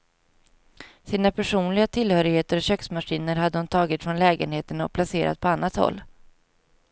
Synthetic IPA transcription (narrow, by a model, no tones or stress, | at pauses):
siːnapʰæʂuːnlɪɡat̪ʰɪlhœːɾɪɡheːt̪əɾɔɕœksmaʂiːnəɾɦad̪ːəhʊnt̪ʰɑːɡɪt̪fɾɔnlɛːɡə̰nheːt̪ənɔ̰k̚pʰlaseːɾa̰t̪̚pʰɔanːat̪hɔ̰lː